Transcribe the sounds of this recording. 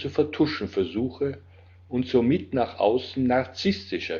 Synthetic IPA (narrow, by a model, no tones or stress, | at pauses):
t͡sufɛɐtʰʊʃn̩fɛɐzuːxə | ʔʊntz̥oːmɪtnaːχʔa̰ʊsn̩naɐt͡sɪstɪʃɐ